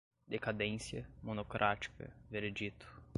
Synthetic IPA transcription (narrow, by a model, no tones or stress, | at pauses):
d̪ekad̪ẽsjɐmonokɾʔat͡ʃi̥kɐ̰veɾed͡ʒit̪ʊ̥